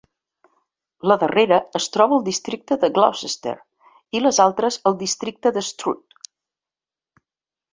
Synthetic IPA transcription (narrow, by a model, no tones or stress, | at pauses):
ləðəreɾəːst̪ɾɔβəːlˠd̪ist̪ɾik̚t̪əðəɡla̰wsəst̪ḛɾ | iləzalˠt̪ɾəzəlˠd̪ist̪ɾik̚t̪əðəst̪ɾṵt̪̚